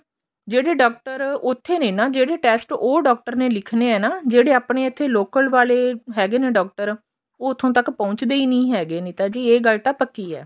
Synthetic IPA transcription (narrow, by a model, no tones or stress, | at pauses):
d͡ʒeːɽeːɖɔːk̚ʈəɾʊt̪ʰːeːnẽːnaːd͡ʒeːɽeːʈɛːsʈoːɖɔːk̚ʈəɾneːlɪkʰneːɛːnaːd͡ʒeːɽeːaːpɳeːɪt̪ʰːeːloːkəlʋaːleːɦɛːɡeːneːɖɔːk̚ʈəɾ | oːʊt̪ʰːõːt̪əkpɔ̃ʊt͡ʃd̪eːiːnĩːɦɛːɡeːnĩːt̪aːd͡ʒiːeːɡəlt̪aːpəkːiːɛ̰ː